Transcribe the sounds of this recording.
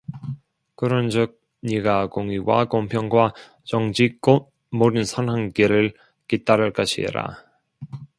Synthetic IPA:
kɯɾʌnd͡ʑɯk̚ | ɲiɡaɡoŋiwa̰kompʰjʌŋɡwa | t͡ɕʌŋd͡ʑik͈ot̚ | moɾɯnsʰʌnɦaŋɡeɾɯɭ | kit͈aɾɯɭk͈aɕʰḭɾa̰

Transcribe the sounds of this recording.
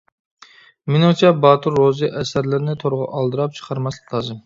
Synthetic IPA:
mɪnɨŋt͡ʃʰɛbɑt̪ʰuɾːozɨʔɛsæɾlɪɾɪnɪt̪ʰoɾʁɑ̰ʔɑlˠd̪ɨɾɑp̚t͡ʃʰə̥qʰɑɾmɑslˠɨqʰlˠɑːzɨm

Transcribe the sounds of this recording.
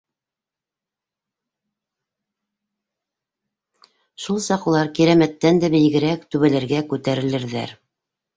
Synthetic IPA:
ʃulˠsɑqulˠɑɾkiɾæmæt̪ːænd̪æbɘ̆j̆ɡɘ̆ɾækt̪ʉβælæɾɡækʉt̪æɾɘ̆lɘ̆ɾðæ̰ɾ

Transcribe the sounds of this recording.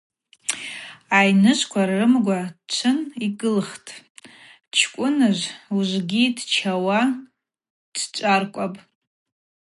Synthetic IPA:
ajnɨʃʷkʷʰarːɨmɡʷat͡ʃʷʰɨnikʼɨlχtʼ | t͡ʃʰkʷʼʊnɨʒʷuʒʷɡʲidt͡ʃʰawa | d̥t͡ʃʷʼarkʷʼapʼ

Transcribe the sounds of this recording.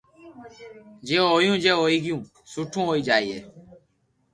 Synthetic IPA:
d͡ʒeːɦoːjũːd͡ʒeːɦoːiːɡɪjũː | suʈʰũːɦoːiːd͡ʒaːiːḛː

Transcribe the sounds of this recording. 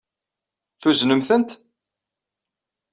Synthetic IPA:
θuznəmθənt̪

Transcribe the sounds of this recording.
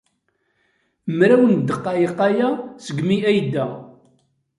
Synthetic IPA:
mɾæwənd̪ːəqːɑjəqːajæsəɡmiæjd̪ːæ

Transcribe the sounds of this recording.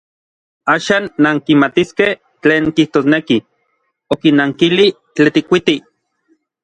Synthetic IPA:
aːʃaːnːaŋkimat̪iskeh | t͡ɬeːŋkiht̪oːsneki | okinaŋkili | t͡ɬet̪ikʷit̪i

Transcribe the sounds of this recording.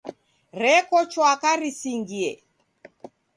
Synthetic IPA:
ɾɛkɔt͡ʃwakaɾisiŋɡiɛ

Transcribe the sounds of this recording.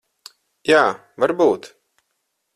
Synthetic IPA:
jaː | vaɾbuːt̪

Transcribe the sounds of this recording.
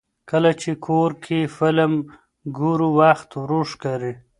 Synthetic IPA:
kəlat͡ʃekʰoɾkʰifɪləm | ɡuɾuwaxt̪wɾuʂkaɾi

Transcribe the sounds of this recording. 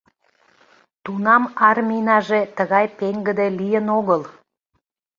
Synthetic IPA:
t̪unɑmɑrminɑʒet̪əɣɑjpeŋɡəd̪elijənoɣəl

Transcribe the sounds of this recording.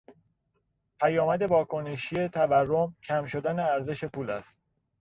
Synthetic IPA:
pʰæjɒːmæd̪e̞bɒːkʰo̞neʃie̞t̪ʰæværːomcʰæmʃo̞d̪æne̞æɾze̞ʃe̞pʰuːlæ̰st̪̚

